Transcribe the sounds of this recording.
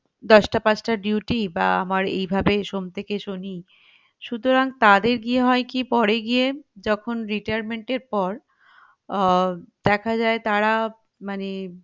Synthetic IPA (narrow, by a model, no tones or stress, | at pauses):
d̪ɔʃʈapat͡ɕʈaɖjuʈiba̰a̰maɾḛjbʱabeʃomt̪ʰekeʃoni | ʃut̪oɾaŋt̪ad̪eɾɡieɦɔekipɔɾeɡijed͡ʑɔkʰonɾiʈajaɾmeɳʈeɾpɔɾ | d̪̥ɛkʰad͡ʑaet̪aɾa | mane